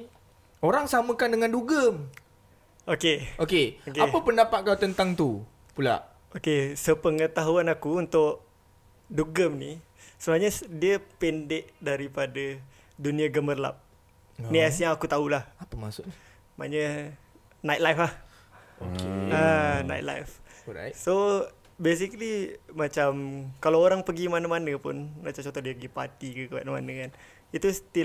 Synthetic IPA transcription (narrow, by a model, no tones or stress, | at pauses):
oɾaŋsaməkandəŋanduɡəm | okeokeokeapəpəndapat̪̚kawt̪ənt̪aŋt̪u | pula̰ʔ | okesəpəŋət̪aɦuanakuunt̪ʊʔ | duɡəmni | səbaɲədiəpɛndɛʔdaɾipadə | duniaɡəmərla̰p̚ | niasjaŋakut̪aulahapəmasʊʔ | ma̰ɲə | najt̪̚lajfah | okeana̰jt̪̚la̰jfso | bes̬iklimat͡ʃamkalaoɾaŋpəɡimanəmanəpʊ̰nmat͡ʃamt͡ʃɔnt̪ɔdiəpəɡipa̰t̪ikəkəa̰ʔnəma̰nəkan | it̪ust̪i